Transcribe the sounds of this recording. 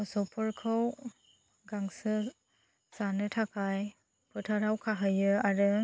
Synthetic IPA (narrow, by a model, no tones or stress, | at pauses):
ɔsɔpʰɔɾkʰɯw | ɡaŋsɯ | sanɯtʰakʰaj | pʰɯtʰaɾawkʰaɦɯjɯaɾɯ